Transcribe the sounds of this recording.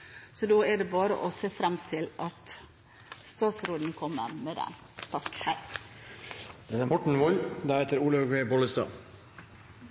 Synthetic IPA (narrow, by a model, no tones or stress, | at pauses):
sɔd̪oːæɖɛbɑːɾə̰ʔɔseːfɾɑmt̪ʰɪlɑt̪ | st̪ɑːt̪sɾoːd̪n̩kʰɔmːə̰mɛd̪ɛ̰n | t̪ʰɑkhæ | d̪̥ɛnæmɔʈɳ̩ʋɔld̪æɾhet̪əɾuːləɡʋeːbɔləst̪ɑ̰ː